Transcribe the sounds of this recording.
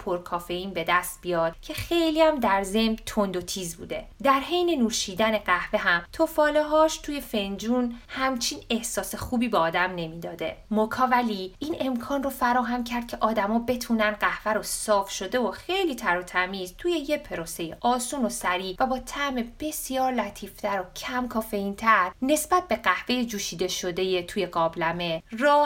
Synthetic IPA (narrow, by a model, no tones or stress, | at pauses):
pʰoɾkʰɒːfeiːnbe̞d̪æst̪̚bijɒːd̪̥cʰe̞xe̞jliæmd̪æɾze̞mt̪ʰond̪o̞t̪ʰiːzbṵːd̪e̞̰d̪æɾɦe̞jne̞nuːʃiːd̪æne̞ɢæhve̞ɦæmt̪ʰofɒːleɦɒːʃt̪ʰuːje̞fe̞nd͡ʒuːnhæmt͡ʃʰiːne̞hsɒːsexuːbiːbeɒːd̪æmne̞miːd̪ɒːd̪e̞̰mokʰɒːvæliiːne̞mkʰɒːnrofæɾɒːɦæmcʰæɾd̪̚cʰe̞ʔɒːd̪æmɒːbe̞t̪ʰuːnænɢæhvæɾosɒːfʃo̞d̪e̞oxejliːt̪ʰæɾot̪ʰæmizt̪ʰuje̞je̞pʰe̞ɾose̞jeʔɒːsuːno̞sæɾiːvæbɒːt̪ʰæme̞b̥e̞sijɒːɾlæt̪ʰiːft̪ʰæɾocʰæmkʰɒːfe̞iːnt̪ʰæɾne̞sbæt̪̚be̞ɢæhve̞jed͡ʒuːʃiːd̪e̞ʃod̪e̞jet̪ʰuːjeɡɒːblæme̞rɒː